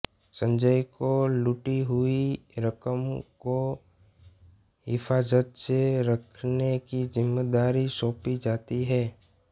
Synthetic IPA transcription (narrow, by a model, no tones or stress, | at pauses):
sə̃ɲd͡ʒəjkolʊʈiɦʊiɾəkəmko | ɦɪfaːzət̪seɾəkʰnekizɪmːed̪aːɾisõːpid͡ʒaːt̪iɦɛː